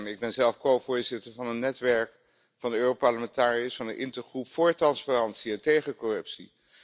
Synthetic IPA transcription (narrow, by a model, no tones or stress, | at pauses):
ɪɡ̚bɛnzɛlˠfkowvʊːɹzɪtəɹvɑnənːɛtʋɛɹk | fɑndəøːropɑɹləmɛntaːriəsfɑnənʔɪntəɹχrupfʊːɹtrɑnsparɑntsiɛntejχəkɔrɵpsi